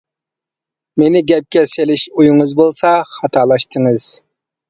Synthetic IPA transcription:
menɪɡʲɛp̚kʲɛselɪʃujuŋɨzbolˠsɑχɑt̪ʰɑːlˠɑʃt̪ʰɨŋɨz̥

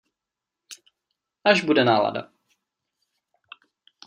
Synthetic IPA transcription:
ʔaʒbudɛnaːla̰da̰

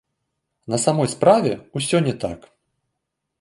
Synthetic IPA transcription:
nɐsamɔjspɾavʲɛusʲɔnʲɛt̪a̰k

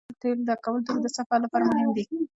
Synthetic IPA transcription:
t̪eld̪əkawəlt̪uɾd̪əsafalapɑɾamʊɦɪmd̪i

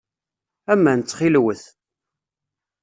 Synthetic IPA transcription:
æmːænt͡sːχilwəθ

